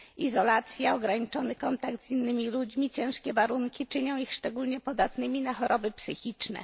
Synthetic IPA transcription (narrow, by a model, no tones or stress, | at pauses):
izɔlat̪sʲjaɔɡɾaɲit͡ʂɔnɘkɔnt̪aɡt̪zinːɘmʲilud͡ʑmʲit͡ɕɛ̃w̃ʂkʲɛvaɾuŋkʲit͡ʂɘɲɔ̃w̃ixʂt͡ʂɛɡulɲɛpɔd̪at̪nɘmʲinaxɔɾʔɔbɘpsɘxʲit͡ʂnɛ̰